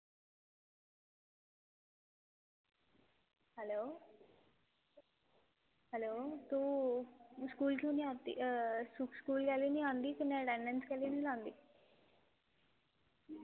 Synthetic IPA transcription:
hɛloː | hɛloːt̪o | skuːlkuniat̪ːḭsukskuːlkaliniand̪ikineʈeɳɖenskaliniland̪i

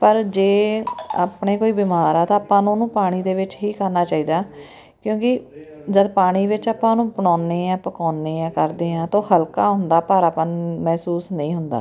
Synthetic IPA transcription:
pəɾd͡ʒeːaːpɳeːkoːiːbɪmaːɾaːt̪ãːaːpːãːnũːnũːpaːɽ̃iːd̪eːʋɪt͡ʃɦiːkəɾnaːt͡ʃaːiːd̪aː | kjõːkɪ | d͡ʒəd̪paːɽ̃iːʋɪt͡ʃaːpãːnũːpəɳɔːneːãːpəkɔːnːeːãːkəɾd̪eːãːt̪õːhəlkaːɦʊnd̪aːpaːɾaːpãːmɛːsuːsnəĩːɦʊnd̪a̰ː

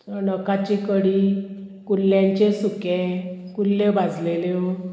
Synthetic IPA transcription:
tənəkat͡ɕikəɽi | kulːjãɲt͡ɕesukẽkulːebad͡zʱlele

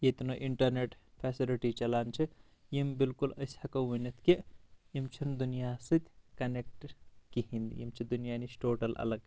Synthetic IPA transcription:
jet̪noʔiɳʈɐɾneʈ | pʰɛːsiliʈit͡ʃɐlaːnt͡ʃʰi | jimbilkuləshɐkəunɐt̪ʰkijimt͡ʃʰind̪unijasɨt̪ʲkɐnek̚ʈkiɦind̪jḭmt͡ʃʰid̪unijanit͡ʃʈoːʈɐlɐ̰ləɡ

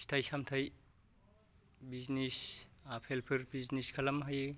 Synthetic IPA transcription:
stʰajsamtʰaj | biznisapʰelpʰɯɾbizniskʰalamɦaj

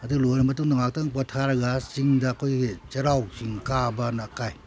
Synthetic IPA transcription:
ɐduɡlojnɐmɐtuŋnɐŋak̚taŋpatʰaɾɐɡasiŋdɐːkʰojɡet͡ʃɐɾawsiŋkabɐnakaj

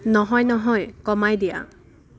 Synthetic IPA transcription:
nɔɦɔjnɔɦɔjkɔmajd̪ija̰

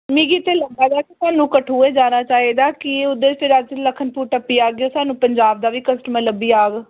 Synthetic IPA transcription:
mĩːɡiːt̪eːləɡaːd̪aːkisaːnũːkəʈʰuːeːd͡ʒaːnaːt͡ʃaːiːd̪aːkɪʊd̪eːst̪eɾaːd͡ʒd͡ʒələkʰːənpuːɾʈəpːiːaːɡeosaːnũːpəɲd͡ʒaːb̚d̪aːʋiːkəsʈəməɾləbiːaːɡ

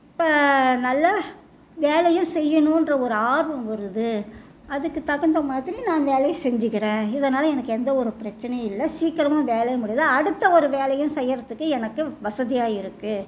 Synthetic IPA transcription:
ɪpːɐnɐlːɐ | ʋeːlɐjɯ̃msɛjːɐnʊ̃ɪndrɐɔɾɯaːɾbɐmʋɐɾɯðɯ | ɐðɯkːɯt̪ɐɣɐnd̪ɐmaːðɪɾinãːnʋeːlɐjɐsɛɲd͡ʒɯɣɪɾẽːɪðɐnaːlɐɛnɐkːɯɛnd̪ɐɔɾɯpɪɾɐt͡ʃːɐnɐjɪlːɐsiːkːɪɾɐmʊ̃ʋeːlɐjɐmʊɽɪjaːðɐɐɽɯt̪ːɐɔɾɯʋeːlɐjɯ̃msɛjːɐɾɐt̪ːɯkːɯɛnɐkːɯʋɐsɐðɪjaːjɪɾɯkːɯ

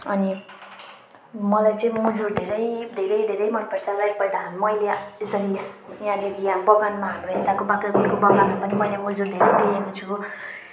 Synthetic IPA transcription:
ʌni | mʌlajt͡sʌĩmud͡zurd̪ʱeɾʌjd̪ʱeɾʌjd̪ʱeɾʌjmʌrpʌrsalajpʌjd̪aɦnmʌjleesʌɾiajãleɾijãbʌɡanmaɦanroɦed̪akobãkraɡunkobʌɡanmapʌnimʌjlamud͡zuɾd̪ʱeɾʌjd̪eɦekot͡sʰu

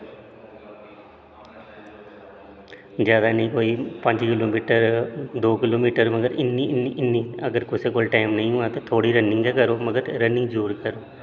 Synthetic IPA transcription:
zjaːd̪aːnəĩːkoːiːpə̃ɲd͡ʒkɪloːmiːʈəɾd̪oːkɪloːmiːʈəɾməɡəɾɪnːiniʔɪnːiːəɡəɾkʊsekoːlʈaːɪmnə̃ĩːɦʊ̃at̪aːt̪ʰoːɽiːɾənːɪ̃ŋɡɛːkəɾoːməɡəɾɾənɪ̃ŋɡd͡ʒuːɾkəɾoː

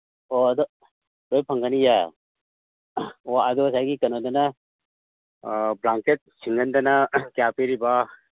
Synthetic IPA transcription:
oɐd̪ɔ | dojpʰɐŋɡɐnija | oad̪ɔsajɡikɐnodɐna | blaŋket̚siŋɡɐndɐnakjapiɾiba

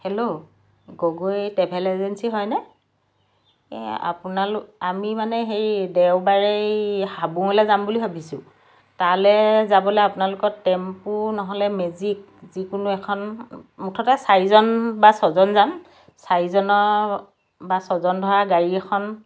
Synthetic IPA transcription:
helo | ɡoɡojtɛbʱɛlɛzɛnsiɦɔjnɛ | ɛ̰a̰punalʊamimanɛɦejdewbaɹejhabuŋɔlɛzambuliɦabʱisʊ̃ | talɛzabɔlɛapʊnalʊkɔtɛmpʊnɔɦɔlɛmezik̚ | zikʊnʊɛkʰɔnmutʰɔtasaɹizɔnbasɔzɔnzam | saɹizɔnɔ | basɔzɔndʱɔɹaɡaɹiɛkʰɔn

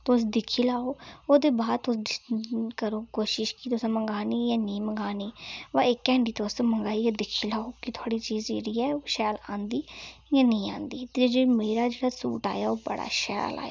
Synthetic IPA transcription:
t̪osd̪ɪkʰiːlaːoːoːd̪eːbaːd̪t̪ʊs | kəɾoːkoːʃɪʃkiːt̪ʊsãməŋɡaːniːjãːnĩːməŋɡaːniːʋãːɪkːɛ̃ːɳɖiːt̪osməŋɡaːiːaːd̪ɪkʰiːlaːoːkɪt̪ʰʊaːɽiːt͡ʃiːziːɾiːɛːoːʃɛːlãːnd̪iːjãːnəĩːã̰ːnd̪iːt̪ed͡ʒeːmeːɾaːd͡ʒeːɽaːsṵːʈa̰ːjaːoːbə̰ɽa̰ːʃɛ̰ːla̰ːja̰

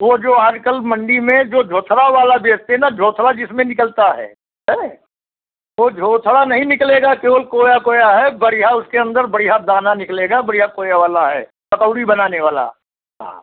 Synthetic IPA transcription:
ʋod͡ʒoːaːd͡ʒkəlmɐ̃ɳɖimẽd͡ʒoːd͡ʒʱoːt̪ʰɽaʋaːlabeːst̪enad͡ʒʱoːt̪ʰɽad͡ʒɪsmẽnɪkəlt̪aɦɛ̰ː | ɦɛ | ʋod͡ʒʱoːt̪ʰɽanɐɦĩnɪkleːɡakeːʋəlkoːjakoːjaɦɛbɐɽɪjaʊskeɐ̃nd̪əɾbɐɽɪjad̪aːnanɪkleːɡabɐɽɪjakoːjaʋaːlaɦɛ̰ː | pɐkəʊɽibɐnaːneʋaːla̰ | ɦa̰

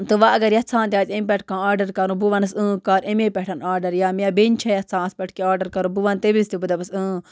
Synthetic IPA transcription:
t̪ɨʋaɐɡɐɾjɐt̪t͡sʰãːnt̪ʲjaːt͡simpɛʈ̚kãːaːɾɖɐɾkɐɾũbuʋɐnɐsɨ̃ːkaːɾemẽːpɛʈʰɐnaːɾɖɐɾjaːmeɐbent͡ʃʰɐjɐt̪t͡sʰãːspɐʈʰkeaːɾɖɐɾkɐɾũbuʋɐnt̪ebilst̪ibud̪ɐbɐsɨ̃ː

